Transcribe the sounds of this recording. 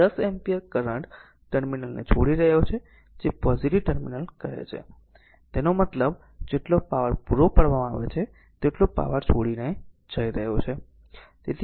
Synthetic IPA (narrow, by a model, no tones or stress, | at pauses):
d̪əsɛmpiəɾkəɾəɳʈ | ʈəɾminəlnḛt͡ʃʰoɽiɾəɦjot͡ʃʰe | d͡ʒepɔziʈiʋʈəɾminəlkəɾḛt͡ʃʰḛ | t̪enomət̪ləb | d͡ʒeʈlopaʋəɾpuɾopəɽʋamãaʋet͡ʃʰe | t̪eʈlopa̰ʋəɾt͡ʃʰoɽine | d͡ʒʱəiɾəɦjot͡ʃʰe | t̪et̪ʰ